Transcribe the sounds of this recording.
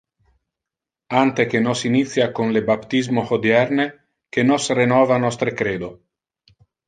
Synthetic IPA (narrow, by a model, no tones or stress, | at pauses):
ant̪ek̟enɔsinit̪sːjakonlebapt̪izmohod̪jɛrne | kenɔsrenɔːvanɔst̪ɾekɾeːd̪o